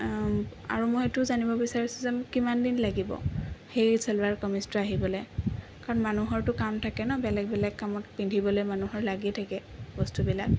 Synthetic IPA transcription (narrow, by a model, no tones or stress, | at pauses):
a̰ɹumɔetʊzanibɔbisaɹisuzɛmʊkimandinlaɡibɔ̰xejsɛlaɹkɔmistɔaɦibɔlɛj | kaɹɔnmanuɦɔɹtʊkamtʰakɛnɔbɛlɛɡ̚bɛlɛk̚kamɔt̚pindʱibɔlojmanuɦɔɹlaɡitʰakɛbɔstubila̰k̚